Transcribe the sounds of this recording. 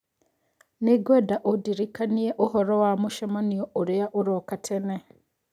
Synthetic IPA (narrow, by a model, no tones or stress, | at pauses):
niɡwedaʔodiɾikanijeʔohoɾowamuʃamaniooɾejaʔoɾokatʰene